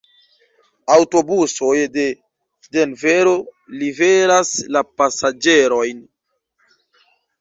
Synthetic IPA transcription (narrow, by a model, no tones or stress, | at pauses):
awto̞buso̞jde̞ | de̞nve̞ɾo̞live̞ɾaslapasad͡ʒe̞ɾo̞jn